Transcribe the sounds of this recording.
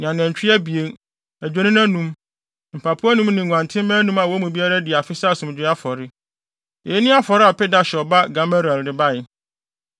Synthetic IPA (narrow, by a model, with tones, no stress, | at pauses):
ñ˨ã˨nɛ̃˨ɲ˨t͡ɕᶣi˦æ˦bi˨e˨ | æ˨d͡ʑᶣe˦nɪ̃˦nã˦nũ˦m | m̩˨pʰa˨pʰu˦a˦nũ˦mnɪ̃˨ã˨ntʰɪ̃˦m˦mæ̃ː˦nũ˦mã˨wɔ˨˦mũ˨bi˦a˦ɾa˦dɪ˨a˨fɪ˦sa˦˨sũ˨m˨d͡ʑᶣɪ˦a˦fɔ˨ɾɪ˦ | ɛ˨e˦nɪ̃˦a˦fɔ˨ɾɪ˦a˨pɪ˦da˦ɕɛ˨ɔ˨ba˦ɡa˨ma˦ɾɛ˨ldɪ˨ba˦˨jɪ˨